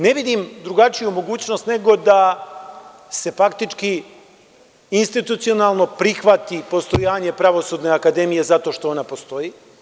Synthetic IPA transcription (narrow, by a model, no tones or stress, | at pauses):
ne̞ʋid̪imd̪ɾuɡat͡ʂijumo̞ɡuːt͡ɕno̞st̪ne̞ɡo̞d̪a | se̞fakt̪it͡ʂki | inst̪it̪ut̪sio̞nalˠno̞pɾixʋat̪ipo̞st̪ojaːɲe̞pɾaʋo̞sud̪ne̞akad̪e̞mije̞zat̪o̞ʃt̪o̞onapo̞st̪o̞ji